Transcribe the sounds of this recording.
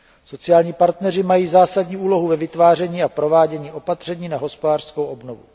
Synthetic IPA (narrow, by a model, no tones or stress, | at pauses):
so̞t͡sɪjaːlɲiːpaɾt̪nɛrɪmajiːzaːsaɟɲiːʔuːlo̞ɦuvɛvɪt̪vaːrɛɲiːapɾo̞vaːɟɛɲiːʔo̞pat̪r̥ɛɲiːnaɦo̞spodaːr̥skowʔo̞bnovṵ